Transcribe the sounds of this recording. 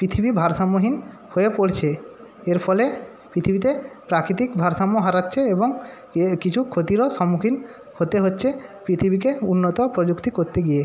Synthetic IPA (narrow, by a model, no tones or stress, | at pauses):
pɾit̪ʰibibʱaɾʃamːoɦin | hoepoɽt͡ɕʰeeɾfʰɔle | pɾit̪ʰibit̪̬epɾakɾit̪̬ikbʱaɾʃamːoɦaɾatːɕʰeeboŋ | kit͡ɕʰukʰot̪iɾoʃɔmːukʰin | hot̪eɦotːɕʰepɾit̪ʰibikeunːot̪opɾod͡ʑukt̪ikoɾt̪eɡie